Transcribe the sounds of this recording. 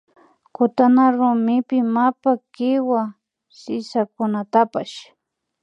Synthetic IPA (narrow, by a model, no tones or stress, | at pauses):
kʊt̪anaɾʊmɪpɪmapakɪwa | sɪsakʊnat̪apaʃ